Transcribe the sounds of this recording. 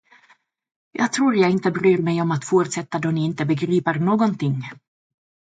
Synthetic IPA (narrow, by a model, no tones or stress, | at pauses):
jɑ̰ːɡ̚t̪ʰɾuːɾjɑɡɪnt̪əbɾyːɾmɛjɔmat̪fʊɾʈ̪sɛt̪ːad̪ɔnɪɪnt̪əbəɡɾiːpəɾnoːɡɔnt̪ʰɪŋː